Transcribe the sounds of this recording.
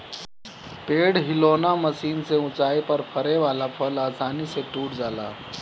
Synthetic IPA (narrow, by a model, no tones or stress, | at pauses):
peːɽɦɪloːnamɐsiːnseʊ̃t͡ʃaːipɐɾpʰɐɾeʋaːlapʰɐlaːsaːniseʈuːʈd͡ʒaːla̰ː